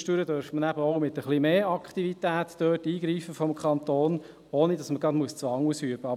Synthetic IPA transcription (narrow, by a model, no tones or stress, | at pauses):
ʃtyːɾədœɾfmənæbəɔʊmɪt̪əχlimeːɑkχt̪ivit̪æːtd̥øːtiːɡɾiːfəfɔmkʰχɑnt̪oːn | oːnidɑsməɡ̥ɑdmuəst͡sʋɑŋusyəb̥əɑ